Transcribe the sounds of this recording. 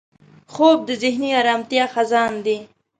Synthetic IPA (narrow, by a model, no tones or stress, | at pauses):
xob̚d̪əzɪhniɑɾɑːmt̪jɑxazɑːnd̪i